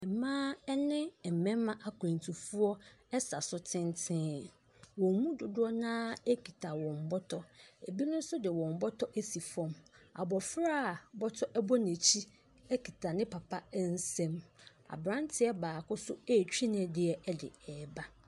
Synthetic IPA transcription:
ɛ˨mãː˦ɛ˦nɪ̃˦˨m̩˨mɛ̃˦m˦mã˦ʔa˨kʰʊ˨ɾɛ̃˨n˨tʰu˨fu˦ɔ˦ɛ˦sa˨sʊ˦tʰɪ̃˦n˦tʰɪ̃˦˨ | wɔ̃˨˦mũ˦dʊ˨dʊ˦ɾɔ˦nãː˦ɛ˦kʰi˨tʰa˨wɔ̃˨m˨bɔ˦tʰɔ˦e˨bi˦nʊ̃˦n̩˦sʊ˦dɪ˨wɔ̃˨m˨bɔ˦tʰɔ˦ʔe˦si˨fɔ̃˦ma̰˨bɔ˨fɾa˦˨bɔ˦tʰɔ˦ʔɛ˦bɔ˦nẽ˨t͡ɕʰi˦ | ɛ˦kʰi˨tʰa˨nɪ̃˦pʰa˨pʰa˦n̩˦sɛ̃˦m | a̰˨bɾã˦n˦tʰɪ˨ɛ˦baː˨kʊ˦sʊ˦ɛ˦˨t͡ɕᶣi˦nɪ̃˨dɪ˨ɛ˨ʔɛ˦dɪ̰˨ɛː˨ba˦

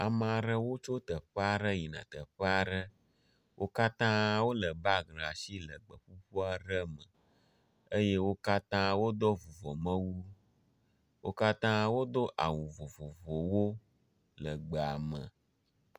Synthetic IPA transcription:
a˨mə˨a˨ɖə˦wo˦t͡ʃo˦t̪ə˨ɸə˦a˨ɖə˦ji˨nã̰˨t̪ə˨ɸə˦a˦˨ɖə˦ | wʔo˦ka˦t̪ã˦wo˦lə˨ba˦ɡla˨si˦lə˨ɡ͡bə˨ɸu˦ɸu˦a˨ɖə˦mə˨ | ə˦je˦wo˦ka˦t̪ã˦wo˦d̪ɔ˦vo˨vɔ˨mə̃˦wu˦ | wʔo˦ka˦t̪ã˦wo˦d̪o˦ʔa̰˨wũ˨vo˨vo˨vo˨wo˦ | lə˨ɡ͡bə˨a˨mə̰̃˨

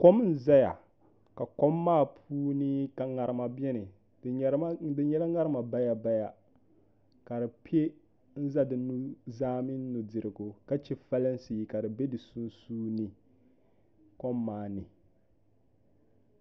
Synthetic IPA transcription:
ko˦m˦n̩˦˨za˦ja˨ | ka˨ko˦mːaː˦pʰuː˦ni˦ka˨ŋa˨ɾɪ˦ma˨bɛ˦nɨ˨˦ | dɨ˨ɲɛ˦la˦ŋa˦ɾɨ˦ma˨ba˦ja˨ba˦ja˦ | ka˨dɨ˨pi˦e˦ | n̩˦za˦dɨ˨nu˦zaː˦mɪ˦n˦nu˨dɪ˨ɾɪ˨ɡʊ˨ka˦t͡ʃɛ˦fa˦lɨ˦n˦si˨ka˨dɨ˨be˦dɨ˨su˦n˦suː˦ni˦ | kɔ˦mːaː˦nɨ˨

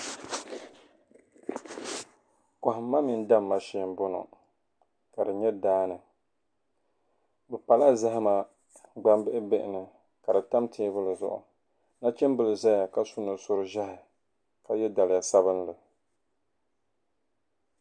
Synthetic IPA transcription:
ka˨ɦɪ˨mː˦a˦mi˨n˦da˦mːa˦ʃi˦˨m˦bʊ˦nʊ̰˨ | ka˨dɨ˨ɲɛ˦daː˦nɨ˨ | bɨ˨pa˨la˦za˦ɦɪ˦ma˨ | ɡ͡ba˦mbɪ˦ʔɪ˦bɪ˦ʔɪ˨nɨ˨ | ka˨dɨ˨ta˦mtʰɪ˦bɨ˦lɨ˨zʊ̰˨ʔʊ̰˨ | na˦t͡ʃɛ˦mbɨ˦lɨ˨za˦ja˨ka˦su˦nɨ˨sʊ˦ɾɨ˦ʒa˦hɪ˨ | ka˨jɛ˦da˨lɪ˨ja˨sa˦bɨ˦nlɨ˨

